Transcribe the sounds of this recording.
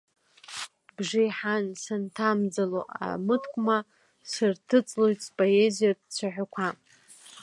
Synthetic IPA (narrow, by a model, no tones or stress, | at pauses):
bʐɪjħansantʰamd͡zaloʔa̰mɨtʰkʷʼma | sɨrtʰɨt͡sʼlojtpʼoezijadt͡sʷʰaħʷᶣakʷʰa